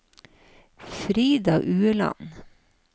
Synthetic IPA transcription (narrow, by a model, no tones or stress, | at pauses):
fɾiːd̪ɑːʔʉːəlɑ̰n